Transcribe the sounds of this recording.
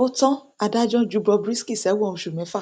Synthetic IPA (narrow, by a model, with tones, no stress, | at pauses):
o˦tɔ̃˦ | a˨da˦d͡ʒɔ̃˦˨d͡ʒu˨˦bɾɔ˧bɾi˦ski˦˨sɛ˨˦wɔ̃˧˨˧ʃu˨mɛ̃˨˦fa˦˨